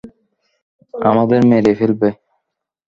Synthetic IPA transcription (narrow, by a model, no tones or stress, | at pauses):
amad̪eɾmeɾefelbe